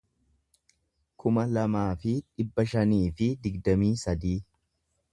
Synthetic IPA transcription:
kʰʊmɐlɐmaːfɪᶑɪbːɐʃɐniːfɪd̪ɪɡd̪ɐmiːsɐd̪iː

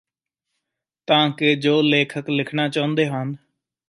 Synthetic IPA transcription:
t̪ãːkɪd͡ʒoːleːkʰəklɪkʰɳaːt͡ʃãːʊ̃nd̪eːɦən

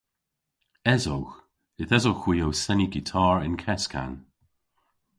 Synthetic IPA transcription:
ɛzowx | ɪθɛzowxw̥iːowsɛniɡitʰɑːɹɪnkʰɛskʰa̰n

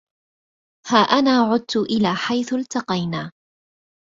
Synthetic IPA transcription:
haːʔanaːʕʊd̪̚t̪ʊʔɪlaːħajθʊlt̪ɑqɑjnaː

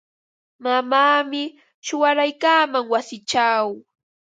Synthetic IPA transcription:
mamaːmɪ | t͡ʃʊwaɾajkaːmaŋwasɪt͡ʃaw

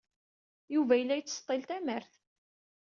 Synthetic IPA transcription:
juvæjəlːæjət͡sːst̪ˤːɪlt̪æməɾθ

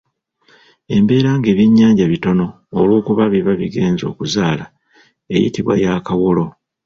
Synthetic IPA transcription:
e̞mbe̞ːɾaːŋɡe̞ːβiɲːaːɲɟaβito̞no̞ː | lwo̞ːkuβaβiβaβiɡe̞ːnzo̞ːkuzaːla | e̞̰jḭtiβwa̰jakawolo̞

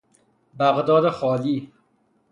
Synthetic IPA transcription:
bæɣd̪ɒːd̪exɒːliː

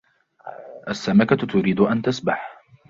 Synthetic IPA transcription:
ʔasːamakat̪ʊɾiːd̪ʊʔant̪asbaħ

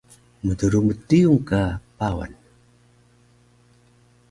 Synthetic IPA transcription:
mədəɾumətiuŋkapawa̰n

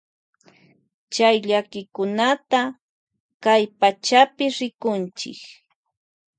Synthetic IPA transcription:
t͡ʃajʎakɪkʊnat̪a | kajpat͡ʃapɪɾɪkʊnt͡ʃɪ̰k

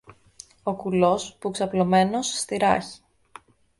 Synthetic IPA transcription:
o̞kulo̞spuksɐplo̞me̞no̞sːt̪iɾɐ̰çi̥

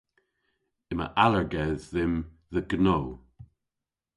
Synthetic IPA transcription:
ɪmə̰ʔaləɹɡɛðːɪm | ðəɡnoː

